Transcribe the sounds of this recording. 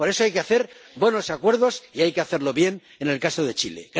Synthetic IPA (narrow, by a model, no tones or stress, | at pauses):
poɾe̞soajkeaθe̞ɾ | bwe̞no̞sakwe̞ɾð̞o̞siajke̞aθe̞ɾlo̞βje̞n | e̞ne̞lkasoð̞e̞t͡ʃile̞̰ɣ